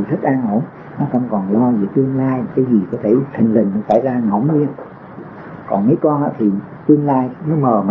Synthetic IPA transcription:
zə˦˥t̚ʔaː˧nʔo˧˩˦n | nɔ˨˦kə̰˧˩mkɔ˨˩nlɔ˧zɨ˨˩t̪ɨ˧əŋlaː˧jkaː˨˦jzi˨˩kɔ˨˦t̪ʰe˧˩t̪ʰi˨˩ŋ̟lï˨˩ŋ̟n˨˦saː˧˩jzaː˧ŋə̰˧˩˦wŋ͡mɲi˧ən | kɔ˨˩nmə˨˦jkɔ˧nʔa̰ː˧˥t̪ʰi˨˩ | t̪ɨ˧əŋlaː˧jnɔ˨˦məː˨˩ma˨

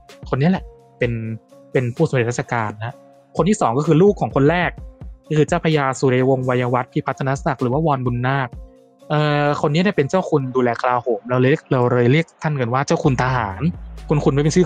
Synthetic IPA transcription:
kʰo˧nːi˦˥lɛ˨˩ʔ | pe˧n | pe˧npʰuː˥˩so˩˦ɾe˨˩a˥˩sʰa˧kaː˧nːa˦˥ | kʰo˧nt̪ʰiː˥˩sɔː˩˦ŋkɔː˥˩xʰɯː˧luː˥˩kʰːɔː˩˦ŋkʰo˧nɾɛː˥˩k̚ːɔː˥˩kʰɯː˧t͡ɕaː˥˩wpʰa˧jaː˧suː˨˩ɾa˧wo˧ŋwa˧ja˧wa˦˥t̪̚pʰiː˦˧˩pʰa˦˥t̪ʰa˧na˦˥sa˨˩k̚ɾɯː˩˦waː˥˩wɔː˧nbu˧nːaː˥˩k̚ | ʔɤː˧kʰo˧nːi˦˥daː˥˩pe˧nt͡ɕaː˥˩wkʰu˧nduː˧lɛː˧kʰa˧laː˧hoː˩˦mɾa˧wɤː˧˥˩ək̚ɾa˧wɾɤː˧jɾi˥˩ək̚t̪ʰa˥˩nka˧nwaː˥˩t͡ɕa˥˩wku˧nt̪ʰa˧ɦaː˩˦nkʰu˧nkʰu˧nma˥˩pe˧nsɯː˥˩

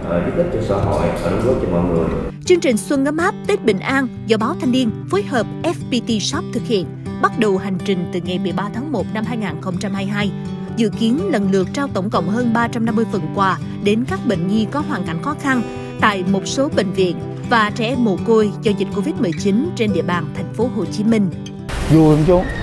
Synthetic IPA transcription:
ʔzɨ̰˧˦t̪i˦˥k̚t͡ɕɔ˧sa˧˦o̰˧˨jsə̰˧˩nzu˨˦t̚t͡ɕɔ˧mɔ̰˧˨jŋɨ˨˩əjt͡ɕɨ˧əŋt͡ɕï˨˩ŋ̟swə˧nɣə˧˦mʔaː˦˥p̚t̪i˦˥t̚ɓḭ˧˨ŋ̟ʔaː˧nzɔ̰˧˩ɓaː˨˦wt̪ʰa˧jŋ̟vi˧ənfo˨˦jɦəː˨˩p̚ʔɛ˦˥fpi˧t̪i˧sa˦˥wp̚t̪ʰɨ˨˩k̚hḭ˧˨ən | ɓa˦˥t̚ɗə˨˩wha˨˩jŋ̟t͡ɕï˨˩ŋ̟t̪ɨ˨˩ŋa˨˩jɓɨ˨˩jɓaː˧t̪ʰaː˨˦ŋmo˨˩t̚na˧mhaː˧jŋaː˨˩nxə˧wŋ͡mt͡ɕa˧mhaː˧jɦaː˧j | zɨ̰˧˨ki˨˦ənlə˨˩nlɨ˨˩ək̚t͡ɕaː˧wt̪ə˧˩wŋ͡mkə̰˧˨wŋ͡mɦəː˧nɓaː˧t͡ɕa˧mna˧mːɨ˧əjvə˨˩nkwaː˧ | ɗe˨˦nkaː˦˥k̚ɓḛ˧˨ŋ̟ɲi˧kɔ˨˦ɦwaː˨˩nka˧˩jŋ̟xɔ˨˦xa˧n | t̪a̰ː˧˨jmo˨˩t̚so˨˦ɓḛ˧˨ŋ̟vḭ˧˨ən | vaː˨˩t͡ɕɛ˧˩mo˧˩ko˧˩jzɔː˧zï˨˩t̟̚ko˧vi˦˥t̚mɨ˨˩əjt͡ɕi˨˦nt͡ɕe˧nɗḭ˧˨əɓaː˨˩nt̪ʰɛ˨˩jŋ̟fo˨˦ɦo˨˩t͡ɕi˨˦mï˧ŋ̟ | zu˨˩˨ŋ͡mt͡ɕo˨˦

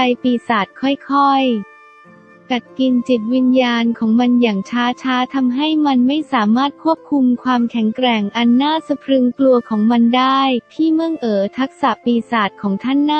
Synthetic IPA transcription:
a˧jpiː˧saː˨˩t̪̚kʰɔ˥˩jkʰɔ˥˩j | ka˨˩t̪̚ki˧nt͡ɕi˨˩t̪̚wi˧njaː˧nkʰɔː˩˦ŋma˧njaː˨˩ŋt͡ɕʰaː˦˥t͡ɕʰaː˦˥t̪ʰa˧mɦa˥˩jma˧nma˥˩jsaː˩˦maː˥˩t̪̚kʰu˥˩əp̚kʰu˧mkʰwaː˧mkʰɛ˩˦ŋkɾɛ˨˩ŋʔa˧nːaː˥˩sa˧pʰɾɯ˧ŋklu˧ɐkʰɔː˩˦ŋma˧ndaː˥˩jt̪ʰiː˥˩mɯ˥˩əŋʔɤː˩˦t̪ʰa˦˥k̚sa˨˩piː˧saː˨˩t̪̚kʰɔː˩˦ŋt̪ʰa˥˩nːa˥

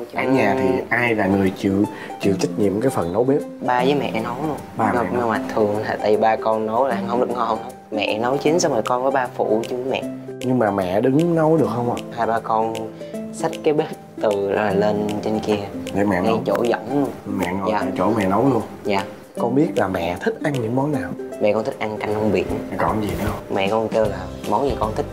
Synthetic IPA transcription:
ʔa˨˦ɲaː˨˩t̪ʰi˨ʔaː˧jlaː˨˩ŋɨ˨˩əjt͡ɕɨ̰˧˨ | t͡ɕɨ̰˧˨t͡ɕa˦˥k̚ɲḭ˧˨əmkaː˨˦jfə˨˩nːə˨˦wɓe˦˥p̚ɓaː˧zəː˨˦jmɛ̰˧˨nə˨˦wlu˧ənɓaː˧ɔ˧˨na˧wma˨˩t̚t̪ʰɨ˨˩əŋla̰ː˨˩t̪a̰ː˧˨jvi˨˩ɓaː˧kɔ˧nːə˨˦wla˨˧ŋhə˧wŋ͡mɗɨ˨˩k̚ŋɔ˧˩˨ | mɛ̰˧˨nə˨˦wt͡ɕi˨˦nsa˧ŋ͡mləː˨˩kɔ˧nvəː˨˦jɓaː˧fṵ˧˩˨t͡ɕɨ˧˨˦vəː˨˦jmɛ̰˧˨ʔɲɨ˧ŋmaː˨˩mɛ̰˧˨ɗɨ˨˦ŋnə˨˦wɗɨ˨˩ək̚hə˧wŋ͡mʔa˨˩haː˧jɓaː˧kɔ˧nsa˦˥k̚kaː˨˦jɓe˦˥t̚t̪ɨ˨˩laː˨˩le˧nt͡ɕe˧nki˧əɗe˨˦mɛ̰˧˨a˧˦˧jt͡ɕo̰˧˩zɔ̰˧˩˨wŋ͡mlənmɛ̰˧˨ŋ˧jaː˨˩˧t͡ɕo̰˧˩mɛ̰˧˨nə˨˦wlu˧ənjaː˨˩ | kɔ˧nɓi˦˥ət̚laː˨˩mɛ̰˧˨t̪ʰï˦˥k̟̚ʔa˧ŋɲɨ̰˧˥ŋmɔ˨˦naː˨˩wmɛ̰˧˨kɔ˧nt̪i˦˥k̟̚ʔa˧ŋka˧jŋ̟hwŋ͡mɓḭ˧˩˨ən˨˩kɔ˧˩zi˨˩ɗŋ͡mmɛ̰˧˨kɔ˧nke˧wlaː˨˩mɔ˨˦nzi˨˩kɔ˧nt̪ʰï˦˥

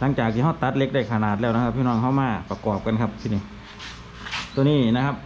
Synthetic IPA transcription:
la˧˥˩ŋt͡ɕaː˨˩k̪̚ʰiː˧ɦa˧˥˩wt̪a˧˦t̪̚le˦˥k̚da˥˩jkʰa˧naː˨˩t̪̚lɛː˧˩wn˧˥kʰa˧p̚ːʰi˧˨nɔ˧˩˨ŋɦa˧˥˩wmaː˧˩pa˧kɔː˨˩p̚ka˧˨nkʰa˦˧˥p̚t̪ʰiː˧˨ni˧˩ | t̪u˧˨niː˧˥˩na˧kʰa˦˧p̚

